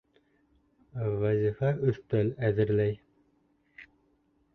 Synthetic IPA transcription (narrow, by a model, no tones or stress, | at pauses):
væzʲifæʔɵθt̪ælæðɘ̆ɾlæj